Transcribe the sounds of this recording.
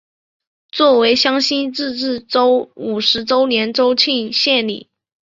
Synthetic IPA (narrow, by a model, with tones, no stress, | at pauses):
t͡swɔ˥˩we˧˥ɪɕjɑ˥ŋɕi˥nʈ͡ʂɻ̩˥˧ʈ͡ʂɻ̩˥˩ʈ͡ʂo˥ʊu˨˩ʂɻ̩˧˥ʈ͡ʂo˥ʊnjɛ˧˥nʈ͡ʂo˥ʊt͡ɕʰi˥˧ŋɕjɛ˥˩nlḭ˨˩˦